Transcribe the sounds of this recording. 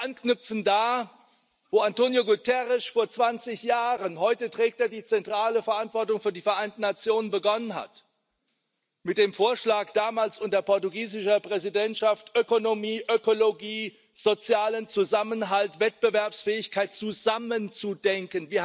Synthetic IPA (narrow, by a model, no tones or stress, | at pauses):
ʔanknʏp͡fn̩daː | voːantoːnjoɡutʰɛʁɪʃfoːɐt͡sv̥ant͡sɪçjaːʁənɦɔʏtətʁ̥ɛːk̚teːɐdiːt͡sɛntʁ̥aːləfɛɐʔantv̥ɔɐtʊŋfyːɐdiːfɛɐʔaɪntn̩nat͡sjoːnənbəɡɔnənɦa̰t | mɪt̚d̥eːmfoːɐʃlaːkd̥aːmaːlsʊntdɐpɔɐtuɡiːzɪʃɐpʁ̥ɛzidɛntʃaftʔøkonomiːʔøkoloɡiː | z̥ot͡sjaːlənt͡suzamənɦaltvɛt̚b̥əvɛɐpsfɛːɪçkʰaɪtt͡suzamənt͡sudɛŋkənviːɐ